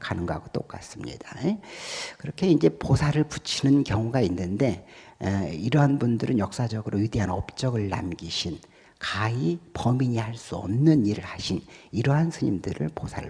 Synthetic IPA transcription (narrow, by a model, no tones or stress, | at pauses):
kanɯŋɡʌaɡot͈ok͈as͈ɯmɲḭd̥ajekɯɾʌkʰe̞ind͡ʑe̞posʰaɾɯɭput͡ɕʰinɯnkjʌŋuɡainːɯnde̞ | iɾʌɦanbundɯɾɯnjʌk̚s͈ad͡ʑʌɡɯɾojudeɦanʌp̚t͡ɕ͈ʌɡɯɭːa̰mɡiɕʰin | kaipʌmiɲihaɭs͈uʌ̰mnɯniɾɯɭhaɕʰiniɾʌɦansʰɯɲimdɯɾɯ̰ɭposʰa̰ɾɯ